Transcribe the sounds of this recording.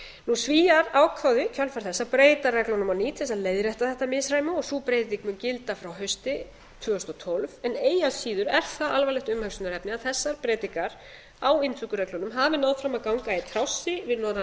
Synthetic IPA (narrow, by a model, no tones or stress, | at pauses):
nusviːaɾaːwkʰvawðɪcʰœlfaɾ̥θɛsːapɾeːjt̪arɛklɔnʏmawniːt̪ʰθɛs̬aðleːjðɾɛht̪aθɛht̪amɪsɾaːjmʏɔɣsuːpɾeːjt̪t̪ikmʏncɪlt̪afɾawɦœɥst̪ɪ | t̪ʰvʏːɔst̪ɔt̪ʰolvɛneːjasiːðʏɾɛɾ̥θaalvajlɛht̪ʏmhœksʏnʏɾɛpnɪaðθɛsːaɾ̥pɾɛːt̪ikaɾ̥ | awɪnt̪ʰʏkʏɾɛklɔnʏmɦavɪnaðfɾamaðkawŋkaɪt̪ʰɾawsːɪvɪðnɔa